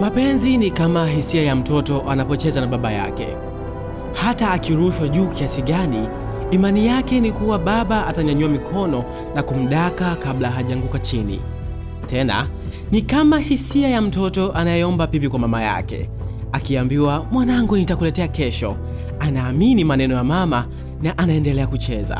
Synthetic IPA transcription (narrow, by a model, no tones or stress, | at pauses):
mapɛnzinikamaɦisiajam̩tɔtɔʔanapɔt͡ʃɛzanaɓaɓaja̰kɛ̰ | hataːkiɾuʃwaʄuːkiasiɠaniː | manijakɛnikuwaɓaɓaataɲaɲuwamikʰɔnɔ | nakum̩ɗakakablaɦaʄaŋɡukat͡ʃinḭ | tʰɛna̰ | nikamahisiajam̩tɔtɔʔanajɛɔmbapipikwamamaja̰kɛ̰ | akiambiwamwanaŋɡunitakulɛtɛakɛʃɔ | anaːminimanɛnɔjamama | naʔanaɛndɛlɛakut͡ʃɛza̰